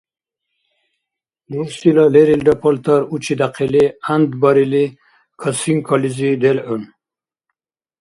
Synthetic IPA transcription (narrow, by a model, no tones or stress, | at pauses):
d̪uɾsilaleɾilɖapɔlt̪aɾut͡ɕid̪aqiliand̪baɾili | kʰasiŋkʰɔlizid̪elun